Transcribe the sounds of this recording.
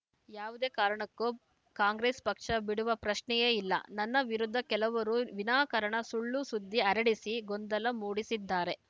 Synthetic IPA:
jaːʋud̪e̞ːkaːɾɐɳɐkːu | kaːŋɡɾeːspɐkʂɐbiɽuʋɐpɾɐʃɳɛjeːilːɐ̰nɐnːɐʋiɾud̪ʱːɐkɛlɐʋɐɾuʋinaːkɐɾɐɳɐsuɭːusud̪ʱːiɐɾɐɽisiɡond̪ɐlɐmuːɽisid̪ːaːɾe̞

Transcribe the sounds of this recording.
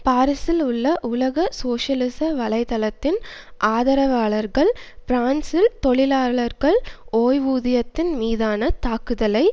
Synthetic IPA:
paːɾɪsɪlʊɭːɐʔʊlɐɣɐsoːʂɐlɪsɐʋɐlɐɪt̪ɐlɐt̪ːɪnʔaːðɐɾɐʋaːɭɐɾɣɐɭpɪɾaːnsɪlt̪ɔɭɪlaːɭɐɾɣɐɭoːjʋuːðɪjɐt̪ːɪnmiːðaːnɐt̪aːkɯðɐlɐɪ

